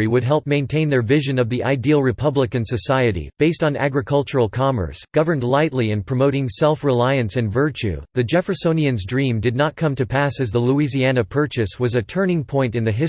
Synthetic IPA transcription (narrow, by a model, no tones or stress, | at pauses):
ɹiwɨd̚ɦɛlˠp̚mẽɪ̃ntʰẽɪ̃nðə˞vɪʒɨ̃nʌvðiʔaɪdil̩ˠɹɨpʰʌbləkɨ̃nsɨsaɪɨɾḭb̥eɪstn̩æ̰ɡɹɨkʰʌlˠt͡ʃə˞l̩ˠkʰɑmə̰˞sɡ̥ʌvə̃˞ndˡlaɪtˡliɨ̃npʰɹ̥ɨmoʊɾɪ̃ŋsɛlˠfɹɪlaɪɨ̃nsɨ̃nvɜ˞t͡ʃʉ̰ðɨd͡ʒɛfəsõʊ̃niɨ̃nzdɹĩmdɨdⁿnət̚kʰʌ̃mtʰɨpʰæsɨzðəluiziænɨpʰɜ˞t͡ʃɨswʌzɨtʰɜ̃˞nɪ̃ŋpʰɔ̃ɪ̃ntɨ̃nðɨɦɪ